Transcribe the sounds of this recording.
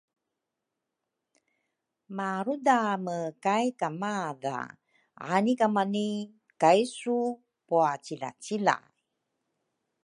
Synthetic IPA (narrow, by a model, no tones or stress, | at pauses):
maɾudaməkajkamaða̰ | a̰nikamani | kajsu | puat͡ɕila̰t͡ɕila̰ | j